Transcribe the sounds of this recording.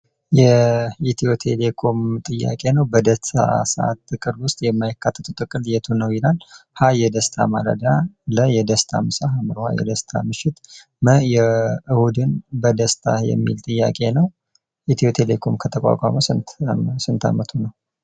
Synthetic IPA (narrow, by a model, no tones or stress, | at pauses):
jɛit̪ʰio̞t̪ʰe̞lekʰo̞mt̪ʼɨjːa̰kʼe̞nəwbəd̪əst̪ʰa̰səʔa̰t̪ːɨkʼɨɾwʊst̪ʼjɛmːajakːat̪ʰːə̥t̪ʰʼut̪ʼɨkʼɨljɛt̪ʰonːəwjɪlalhajɛd̪əst̪ʰa̰maɾə̰d̪aləjɛd̪əst̪ʰamɨsaɦamɨɾha̰jɛ̰d̪əst̪ʰa̰mɨʃɪt̪ | məjɛɨhud̪ɨnbəd̪əst̪ʰa̰jɛ̰mːilt̪ʼɨjːa̰kʼe̞nəw | ʔit̪ʰiot̪ʰe̞lekʰo̞mkʰət̪ʰəkʷʼa̰kʼa̰məsɨsɨnt̪ʰa̰mət̪ʰunəw